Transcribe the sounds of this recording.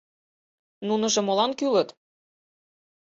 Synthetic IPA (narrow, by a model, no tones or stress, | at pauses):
nunɤ̆ʒɤ̆molɑnkylə̆t̪